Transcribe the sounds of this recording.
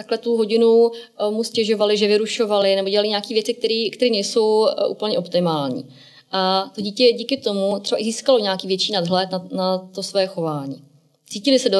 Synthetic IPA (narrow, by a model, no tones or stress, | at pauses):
t̪aklɛt̪uɦo̞ɟɪnumuscɛʒo̞valɪʒɛvɪɾuʃo̞valɪnɛbo̞ɟɛlalɪɲaːkiːvjɛt͡sɪk̚t̪ɛɾiːkt̪ɛɾiːnɛjso̞wʔṵːpl̩ɲɛʔo̞pt̪ɪmaːlɲḭː | ʔat̪o̞ɟiːcɛɟiːkɪt̪o̞mut̪ɾ̥ɛbaʔɪziːskalo̞ɲaːkiːvjɛt͡ʃiːnadɦlɛt̪nanat̪osvɛːxo̞vaːɲiː | t͡siːcɪlɪsɛdo